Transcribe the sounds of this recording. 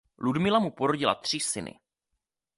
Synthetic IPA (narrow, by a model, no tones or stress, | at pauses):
ludmɪlamupo̞ɾo̞ɟɪla̰t̪r̝̥ɪsɪnɪ̰